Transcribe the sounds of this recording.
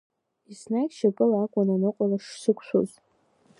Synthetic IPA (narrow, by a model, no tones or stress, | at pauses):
isnakʲʼʃakʼɨlakʷʼananɨqʷʼalaʂsɨkʷʰʃʷṵz